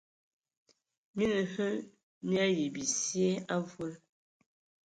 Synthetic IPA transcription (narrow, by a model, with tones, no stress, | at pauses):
mi˦nə˨hə˦ | mja˦ji˨bi˨sje˦a˦vwə˦l